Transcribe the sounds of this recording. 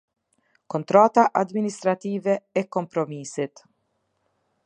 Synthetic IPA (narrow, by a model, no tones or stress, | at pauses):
kɔnt̪ɾaːt̪aʔad̪minist̪ɾat̪iːvɛɛkːɔmpɾɔmiːsit̪